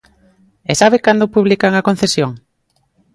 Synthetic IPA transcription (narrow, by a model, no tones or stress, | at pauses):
esaβekand̪opuβlikaŋakon̟θesjoŋ